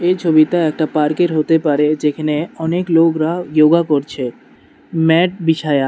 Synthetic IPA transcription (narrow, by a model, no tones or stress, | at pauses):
et͡ɕʰobit̪aɛk̚ʈapaɾkeɾɦot̪epaɾed͡ʑekʰaneɔneklokɾajoɡakoɾt͡ɕʰe | mɛʈ̚biʃʰaja